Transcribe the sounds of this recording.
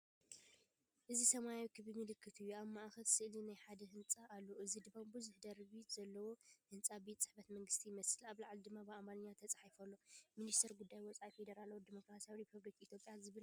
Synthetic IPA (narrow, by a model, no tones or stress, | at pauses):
ʔɨzisɐmajawikʰɨβimɨlɨkːɨt̪ʰɨjːuaβmaʔxɐlsɨʔlinajħad̪ɐɦɨnt͡sʼaʔalːoʔɨzid̪ɨβambɨzʊħd̪ɐɾbit̪zɐlːɐwohɨnt͡sʼabet̪t͡sʼɨħbɐt̪mɐŋɡɨst̪ʰijmɐsɨlaβlaʕlid̪ɨmːabɨamanɲːat̪ʰɐt͡sʼḁħifɐlːo̞minist̪ʰɐɾɡud̪ːajwɔt͡sʼajfe̞d̪ɐɾalawd̪imo̞kɾasijawiɾipʰɐβlikit̪ʰjo̞pʼjazɨβɨl